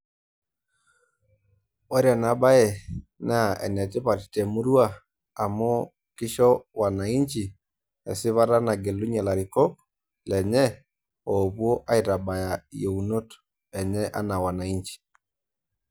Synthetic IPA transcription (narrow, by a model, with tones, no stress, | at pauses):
ɔ˦ɾja˨na˨ba˦jɛ˨na˦˨ɛ̰˨nɛ˨tɪ˦pa˨ttɛ˨mu˦ɾu˦a˦ | a˨mɔ˦ | kɪ˦ʃɔ˦wa˨na˨i˦nt͡ʃi˨ | ɛ̰˨sɪ˦βa˦ɾa˦na˨ɡɛ˨lʊ˦ɲɛ˨la˨ɾi˨kɔ˦k̚ | lɛ˨ɲɛ˦ | o˨pwo˦ʔa˦i˨ɾa˨ba˨ja˨je˨u˨no˦t | ɛ˨ɲɛ˦ʔa̰˦na˨wa˨na˨i˦ɲt͡ʃi̥˨